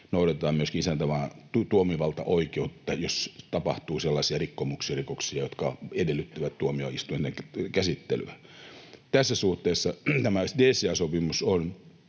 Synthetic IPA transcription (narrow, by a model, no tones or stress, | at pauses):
nouɾɑt̪ɑːmmyøskiisænt̪æʋɑːt̪ut̪uomiʋɑlt̪ɑ̰ʔoikeut̪ːɑjost̪ɑpɑht̪uːselːɑsiɑrikːomuksirikoksiɑjot̪kɑ̰edelːˑyt̪ːyʋæt̪t̪uomio̰ist̪ujenːekkæsit̪ːḛly̰æ | t̪æsːæsuht̪eːsːɑt̪æmædeːseæsopimuson